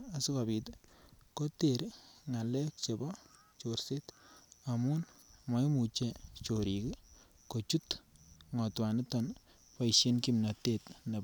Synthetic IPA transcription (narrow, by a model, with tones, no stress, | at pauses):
a˨su˦kabi˨tko˦te˨ɾŋa˨lɛ˦k̚t͡ʃe˨bɔ | t͡ʃorse˦ta˨mu˦nma˨jmu˨t͡ʃe˦t͡ʃoɾiki | ko˨t͡ʃu˦tŋɔ˨twa˨nɪ˦tɔn | pa˦iʃi˦nkimna˨te˦tne˨